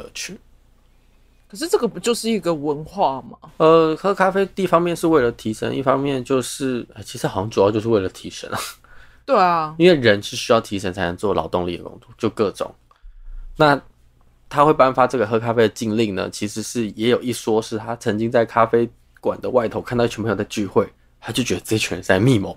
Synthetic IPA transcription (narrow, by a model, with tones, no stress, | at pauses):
ə̰˧˦t͡ɕʰy˥˩ | kʰə˨˩ʂɻ̩˥˧ʈ͡ʂɤ˥˩ɡə˨˩pu˧˥t͡ɕjo˥˧ʊʂɻ̩˥˩i˧˥ɡə˨wə˧˦nxwa˥˩mɐ˩ə˧xɤ˥kʰa˥fe˥ɪt̪i˥˩fɑ˥ŋmjɛ˥˧nʂɻ̩˥˧we˥˩ɪlə˩t̪ʰi˧˥ʂə̰˧˥nʔḭ˥˩fɑ˥ŋmjɛ˥˧nt͡ɕjo˥˧ʊʂɻ̩˥˩ə˥˩t͡ɕʰi˧˥ʂɻ̩˧˥xɤ˧˥ŋʈ͡ʂu˨˩jt͡ɕjʊʂɻ̩˥˧we˥˩lə˩t̪ʰi˧˥ʂə̰˧˥n˨˩ | t̪we˥˩ɪɐ˩i˥nwe˥˩ɪɻə˧˥nʂɻ̩˥˩ɕy˥jɑ˥˩ʊt̪ʰi˧˥ʂə˧˥ŋt͡sʰa˧˥ɪnə˧˦ŋt͡swɔ˥˩lʔɑ̰˨˧˥ʊt̪ʊ˥˧ŋlḭ˥˩d̪ə̰˩kʊ̰˥ŋt͡sɔ˥˧t͡ɕjo˥˧ʊkɤ˥˩ʈ͡ʂʊ̰˨˩˦ŋ | na˥˩ | t̪ʰa˥xwe˥˩ɪpa˥nfa˧ʈ͡ʂɤ˥˩ɡə˩xɤ˥kʰa˥fe˥d̪ə˩t͡ɕi˥˧ŋli˥˩ŋnə̰˩t͡ɕʰi˧˥ʂɻ̩˧˥ʂɻ̩˥˩jɛ˧˥jo˨˩ʊi˥˩swɔ˥ʂɻ̩˥˩t̪ʰa˥t͡sʰɤ˧˥ŋt͡ɕi˥ŋt͡sa˥˩ɪkʰa˥fe˥ɪ | kwa̰˨˩nd̪ə˦wa˥˩ɪt̪ʰo˧˥ʊka˥˩˧t̪ɑ˥˧˥ɛ˧˥pʰjo˧˥a˧t͡ɕy˥˧xwe˥˩ɪ | t̪ʰa˥t͡ɕo˥˩ʊt͡ɕɥɛ̥˧˥ə˧t͡se˥t͡ɕʰɥɛ˧˥nt͡sa˥˧ɪmi˥˧mo˨˩˦